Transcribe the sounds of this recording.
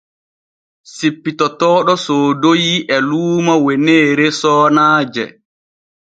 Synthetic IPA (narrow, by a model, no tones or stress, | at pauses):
sipːitɔtɔːɗɔsoːdojiʔɛluːmawɛneːɾesɔːnaːd͡ʒɛ̰